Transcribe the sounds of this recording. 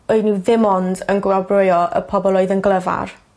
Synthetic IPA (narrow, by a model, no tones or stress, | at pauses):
oɨniwðɪmɔndənɡwalbrojɔʔə̰pʰɔbɔlˠoɨðənɡlˠəva̰r